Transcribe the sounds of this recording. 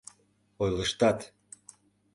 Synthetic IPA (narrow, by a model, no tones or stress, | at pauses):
ojləʃt̪ɑt̪